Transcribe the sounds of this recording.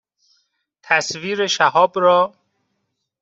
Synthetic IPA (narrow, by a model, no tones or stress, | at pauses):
t̪ʰæsviːɾeʃæɦɒːbɾɔː